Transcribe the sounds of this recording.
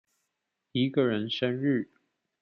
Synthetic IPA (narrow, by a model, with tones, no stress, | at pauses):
i˧˥ɡə˨ɻə˧˦˥nʂə˥nɻ̩˥˩